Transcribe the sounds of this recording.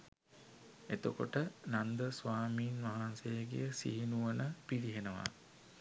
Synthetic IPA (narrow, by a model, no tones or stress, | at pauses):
et̪əkoʈənand̪əsʋaːmiːnʋaɦansejəɡḛjəsḭɦinuʋənəpiɾiɦenəʋa̰